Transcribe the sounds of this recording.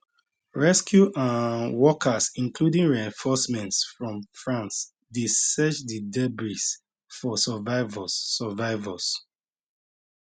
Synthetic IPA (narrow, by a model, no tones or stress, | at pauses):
ɹɛskjuʔãwɔkʰasĩŋkludĩŋɹiɛ̃nfɔsmɛ̃ntsfɹɔ̃mfɹãns | desɛt͡ʃdidɛbɹis | fɔsɛvaɪvɔɛvaɪvɔs